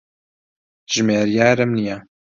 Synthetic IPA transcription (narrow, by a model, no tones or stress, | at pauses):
ʒ̥meːɾjaːɾɨmnija